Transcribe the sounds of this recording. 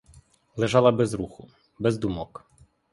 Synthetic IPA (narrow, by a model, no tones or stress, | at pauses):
lˠeʒɑlˠɐbɛzɾuxʊ | bɛzd̪umɔk